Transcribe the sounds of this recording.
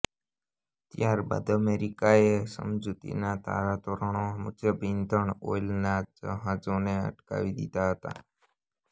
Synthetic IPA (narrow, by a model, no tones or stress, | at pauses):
t̪jaɾba̰d̪əmeɾikaesə̰md͡ʒut̪ḭnat̪ʰa̰ɾat̪ɔɾəɳomʊtjəbind̪əɳo̰lnad͡ʒəɦad͡ʒõneə̰ʈka̰ʋid̪ḭt̪aɦət̪a̰